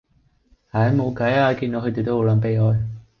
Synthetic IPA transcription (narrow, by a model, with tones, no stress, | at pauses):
haː˨˩˨mo˨˧wkɐ˨˥jaː˧ki˧nd̪o˧kʰɵ˧t̪e˨˩t̪o˥ho˨˧wlɐː˨˧˥npe˨˧jɦɔː˨˧j